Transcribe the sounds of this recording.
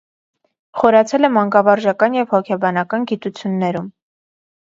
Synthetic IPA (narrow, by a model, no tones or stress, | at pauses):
χɔɾɑt͡sʰɛlɛmɑŋkɑvɑɾʒɑkɑnjɛvhɔkʰɛbɑnɑkɑnɡit̪ut͡sʰjunːɛɾum